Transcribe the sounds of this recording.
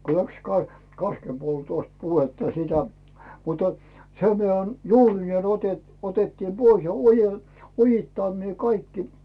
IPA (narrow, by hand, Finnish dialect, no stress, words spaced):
ko læks kɑ kɑskempoltoˑst puhetːɑ sitæ mutɑ̥ sem mitæ juːrineː ote otetːiːm b̥ois jɑ oje ojitːɑˑnːeː kɑikːi